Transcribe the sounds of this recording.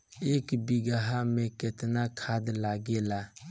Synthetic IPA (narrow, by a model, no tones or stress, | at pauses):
eːkbiɡaɦamẽkɪt̪nakʰaːd̪laɡela